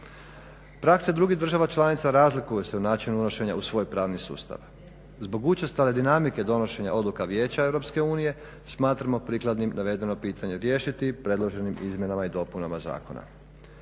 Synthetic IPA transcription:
pɾaksed̪ɾuɡiɦd̪r̩ʒaʋat͡ʃlˠanit̪saɾaːzlikujeseunaːt͡ʃinuuno̞ʃe̞ɲausʋo̞ːjpɾaːʋnisṵːst̪a̰ʋ | zbo̞ɡut͡ʃast̪ale̞d̪inamike̞d̪o̞no̞ʃe̞ɲa̰ʔo̞d̪lukaʋjeːt͡ɕaevɾo̞pske̞uːnije̞ | smaːt̪ɾamo̞pɾiklˠad̪nimnaʋe̞d̪e̞no̞piːt̪ʰaɲe̞ɾje̞ːʃit̪ipɾe̞d̪lˠo̞ʒe̞nimizmʲje̞namaid̪o̞punamaza̰ːko̞̰na̰

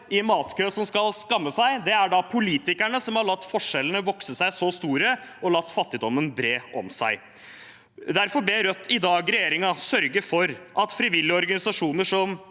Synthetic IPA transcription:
ɪnmɑːt̪kʰøːsɔmskɑlskɑmːəsæɪd̪ɛæɖɑpʰʊliːt̪ɪkæɳəsɔmhɑɭɑt̪ːfɔʂɛlːənəʋɔksəsæɪsɔst̪uːɾəɔlɑt̪ːfɑt̪ːɪd̪ɔmːənbɾeːɔ̰msæ̰ɪ | d̪æɾfɔb̪lɛɾœt̪ʰːɪd̪ɑːɡɾɛjeːɾɪŋɑsœɾɡəfɔɾʔɑt̪fɾɪʋɪlːɔɾɡɑnɪsɑʂuːnəʂɔm

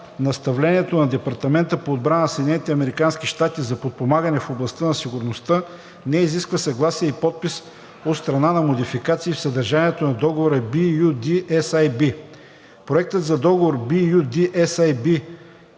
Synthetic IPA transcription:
nɐst̪ɐvlɛniɛt̪onɐd̪ɛpɐɾt̪ɐmɛnt̪əpoːd̪̚bɾannsɛd̪ʲnɛnit̪ɛɐmɛɾikansk̟iʃt̪at̪izɐpot̪̚pomaɡənɛfoblˠɐst̪ənɐsiɡʊɾnost̪ɤ | nɛiziskvəsɐɡlˠasiɛipɔt̪̚pis | ot̪st̪ɾɐnanɐmod̪ifikat̪siːfsɐd̪ɐɾʒaniɛt̪onɐd̪ɔɡovoɾəbijud̪iʔɛsajbi | pɾoɛk̚t̪ət̪zɐd̪ɔɡovoɾbijud̪iʔɛsajbi

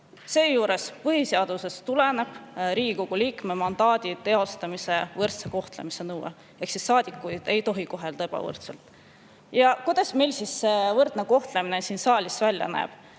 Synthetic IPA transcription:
se̞ːjuːɾe̞spɯɦiseɑd̪̥use̞st̪ule̞ne̞b̥ɾiːɡ̥ikoɡ̥uliːkme̞mɑnd̪̥ɑːd̪̥ʲit̪e̞o̞st̪ɑmise̞vɤrt̪seko̞ht̪lemise̞nɤwḛ | e̞hksisːɑːd̪̥ikːˑujd̪̥e̞jt̪o̞ɦiko̞ɦe̞ld̪ɑeb̥ɑ̰vɤ̰rt̪selt̪ˑ | jɑkujd̪̥ɑsme̞jlsisːevɤrt̪neko̞ht̪lemine̞siːnsɑːlʲisvælʲjɑ̰næ̰ːb̥

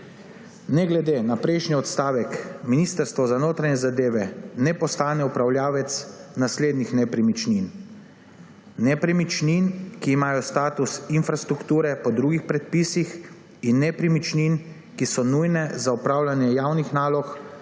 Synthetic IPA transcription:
nɛɡlɛd̪eːnapɾɛjʃniɔt̪st̪aːʋɛkminiːst̪əɾst̪ʋɔzanoːt̪ɾanɛzad̪eːʋɛnɛpɔst̪aːnɛupɾawljaːʋɛt̪snasleːd̪nixnɛpɾimit͡ʃnin | ɛpɾimit͡ʃninkiːmaːjɔst̪aːt̪usinfɾast̪ɾukt̪uːɾɛpɔd̪ɾuːɡixpɾɛt̪̚pisix | inːɛpɾimit͡ʃnin | kisɔnujnɛzaupɾaːwlanjɛjawnixnaːlɔx

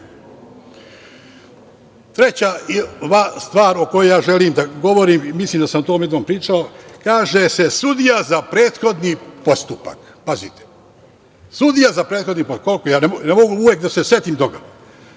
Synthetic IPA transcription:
t̪ɾet͡ɕaiʋast̪ʋaːɾokojejaːʒe̞limd̪aɡo̞ʋo̞ɾimimisliːmd̪asamot̪oːmje̞d̪nompɾiːt͡ʃao̞kaːʒese̞sud̪ijazapɾe̞ːt̪xo̞d̪nipo̞st̪upa̰k | pazit̪e̥ | sud̪ijazapɾeːt̪xo̞d̪niposukpkojaːneonemo̞ɡuuʋjeːkd̪asesje̞t̪imt̪oɡa

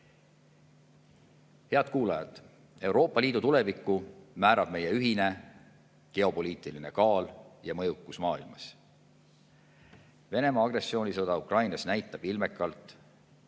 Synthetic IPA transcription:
he̞ɑd̪̚kuːlɑjɑt̪ːˑ | e̞wɾo̞ːpːˑɑliːd̪ut̪ule̞vikːˑumæːɾɑb̥̚me̞je̞yɦine̞ | ke̞o̞po̞lʲiːt̪ˑiline̞kɑːljɑmɤjukːusmɑːilmɑs | ve̞ne̞mɑːɡ̥re̞sːio̞ːnʲisɤd̪̥ɑukrɑjnɑsnæjt̪ˑːɑb̥ilme̞kːˑɑlt̪ˑ

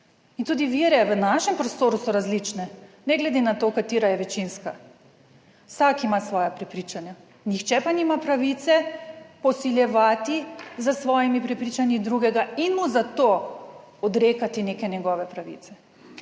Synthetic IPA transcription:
int̪uːd̪iʋiːɾɛʋənaʃɛmpɾɔst̪oːɾusɔɾazlit͡ʃnɛnɛɡlɛd̪enat̪okat̪iːɾajɛʋɛt͡ʃinska | wsakimasʋɔːjapɾɛpɾit͡ʃanja | nixt͡ʃɛpanimapɾaʋit̪sɛpɔsiljɛʋaːt̪izəsʋɔːjimipɾɛpɾit͡ʃanjid̪ɾuɡɛɡainmuzat̪o | ɔd̪ɾeːkat̪inekɛnjɛɡɔʋɛpɾaʋḭt̪sɛ

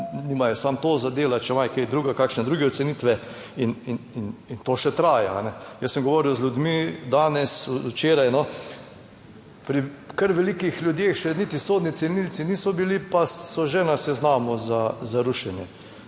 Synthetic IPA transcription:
nimajɛsamt̪oːzad̪eːlat͡ʃɛmajkejd̪ɾuːɡakaːkʃnɛd̪ɾuːɡɛɔt̪sɛnit̪ʋɛ | inininint̪oːʃɛt̪ɾaːjaa̰nɛjəssəmɡɔʋɔːɾiwzlʲjud̪mid̪aːnɛsut͡ʃeːɾajnɔ | pɾikəɾʋɛlikixljud̪jeːxt͡ʃɛnit̪isoːd̪nit̪sɛlnilsiniːsɔbilipasɔʒɛnasɛznaːmɔzazaɾuʃɛnjɛ

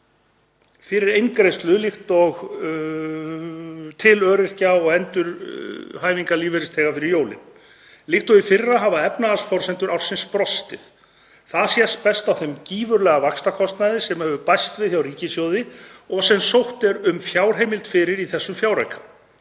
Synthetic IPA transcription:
fɪɾɪɾejŋkɾejst̪lʏlɪxt̪ɔɣ | t̪ʰɪlœːɾɪr̥caɔɣɛnt̪ʏɾ̥haːjviŋkaliːvɛɾɪst̪ʰɛːkafɪɾɪɾjoːwlɪ̰n | lɪxht̪ɔɣɪfɪrrːaɦavaɛpnaasfɔɾ̥sɛnt̪ʏɾawr̥sɪnspɾɔst̪ɪθ | θaðsjɛspɛst̪awθɛmciːvʏɾlɛːɣavakst̪akʰɔst̪naðɪsɛmhœvʏpajst̪vɪðθjawriːcɪsjowðɪɔɣsɛmsowht̪ɛɾʏmfjawr̥ɦejmɪlt̪fɪɾɪɾiθɛsːʏmfjawɾa̰jkʰa

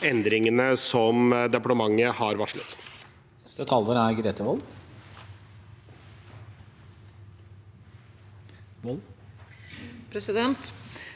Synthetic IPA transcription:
ɛnd̪ɾɪŋənəsɔmd̪ɛpɑʈəmɑŋːəhɑɾʋɑʂɭət̪ | nɛst̪ət̪ʰɑlːəɾæɾɡɾeːt̪əʋɔl | ʋl | pʰɾɛsɪd̪ɛnt̪

